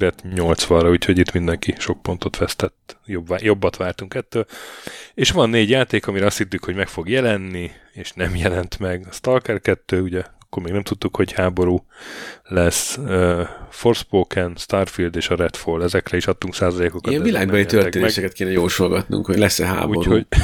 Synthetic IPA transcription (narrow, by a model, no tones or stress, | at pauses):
ɾɛt̪ɲo̞lt̪sʋɒrɒuːcho̞ɟit̪mind̪ɛŋkiʃo̞k̚po̞nt̪o̞t̪ʋɛst̪ɛt̪ːjobajo̞bːɒt̪ʋaːrt̪uŋkɛt̪ːøːl | eːʃʋɒnːeːɟjaːt̪eːkɒmiɾɛɒst̪hit̪ːykho̞ɟmɛkfo̞ɡjɛlɛnːieːʃnɛmjɛlɛnt̪mɛɡɒst̪ɒrkɛrkɛt̪ːøːuɟɛɒkːormeːɡnɛmt̪ut̪ːukho̞ɟhaːbo̞ɾuːlɛsøfo̞rspoːkɛnst̪arfild̪eːʃɒɾɛt̪folːɛzɛkrɛiʃɒt̪ːuŋksaːzɒleːkokɒɛvilaːɡbɛlit̪øreːnɛʃɛkɛt̪keːnɛjoːlʃolɡɒt̪nṵŋkhoɟlɛsɛɦa̰ːbuːoɾhoɟ